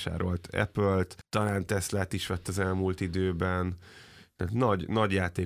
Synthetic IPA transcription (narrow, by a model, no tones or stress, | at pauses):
ʃa̰ːɾo̞lt̪ʰɛ̰pølt̪t̪ɒlaːnt̪ɛslat̪iʃʋɛt̪ːɒzɛlmuːlt̪id̪øːbɛnt̪ɛːt̪nɒɟnɒɟjaːt̪eː